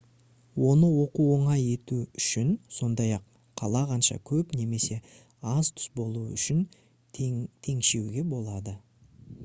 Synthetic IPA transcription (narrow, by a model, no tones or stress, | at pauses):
wo̞nəwo̞quo̞ɴɑje̞t̪uʏʃɪnso̞nd̪ɑjɑq | qʰːɑlˠɑqɑnʃɑ̰kʲʰɵpne̞me̞se̞ | ɑzt̪ʰʏ̥sbo̞lˠuʏ̰ʃɪn | t̪ʰe̞ŋʃe̞wɡʲe̞bo̞lˠɑd̪ə